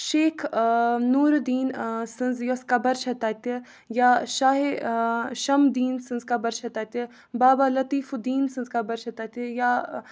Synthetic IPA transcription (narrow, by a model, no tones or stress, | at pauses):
ʃeːkʰnuːɾd̪iːnsɨnzjɐskabɐɾʃɐt̪aːt̪i | jaʃaːɦeʃɐmd̪iːnsɨnzkabɐɾʃɐt̪aːt̪e | baːbalɐt̪iːfud̪iːnsɨnzkabɐɾʃɐt̪aːt̪ija